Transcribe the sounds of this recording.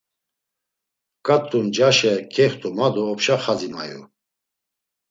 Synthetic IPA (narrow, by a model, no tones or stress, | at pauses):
kʼat̪ʼːund͡ʒaʃɛkʰɛχt̪ʼumad̪ɔːpʃaχad͡zima̰jṵ